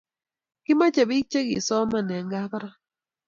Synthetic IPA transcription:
kɪ˦ma˦t͡ʃa˨bi˦t͡ʃe˦ɡḭ˨sɔ˦ma˨nɛ˨ŋɡa˦kɾa˦

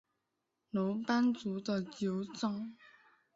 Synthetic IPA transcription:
no˧˥ŋpa˥nt͡su˧˥d̪ə˧t͡ɕjo˨˧˥ʊt͡sɑ˥ŋ

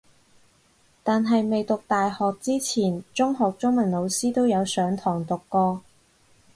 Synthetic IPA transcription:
t̪aː˨nɦɐ˨jme˨jt̪ʊ˨k̚t̪aː˨jhɔː˨k̚t͡siː˥t͡sʰiː˨˩nt͡sʊ˥ŋɦɔː˨k̚t͡sʊ˥ŋmɐ˨˩nlo˨˧wsiː˥t̪o˥wjɐ˨˧wsœː˨˥ŋt̪ʰɔː˨˩ŋt̪ʊ˨kːɔː˧

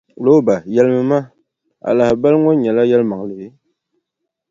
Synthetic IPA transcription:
lo˦ba˨jɛ˦lmɨ˦ma˦ | a̰˨la˨hba˦lŋo˦ɲɛ˨la˦jɛ˦lma˨ŋ˨lɨ˨be˦

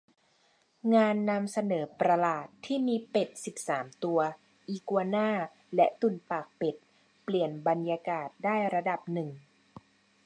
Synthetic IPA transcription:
ŋaː˧nːa˧msa˧nɤː˩˦pɾa˧laː˨˩t̪ʰːiː˥˩miː˧pe˨˩t̪̚si˨˩p̚saː˩˦mt̪u˧ɐ | ʔiː˨˧˩ku˧ɐnaː˥˩ | lɛ˦˥ʔt̪u˨˩nfaː˨˩k̚pe˨˩t̪̚ | pli˨˩ənba˧njaː˧kaː˨˩t̪̚daː˥˩jɾa˧da˨˩p̚nɯ˨˩ŋ

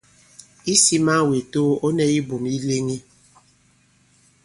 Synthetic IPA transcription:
i˦si˦ma˦we˨to˦o˦nɛ˦i˦bo˨mi˦le˦ŋi˦

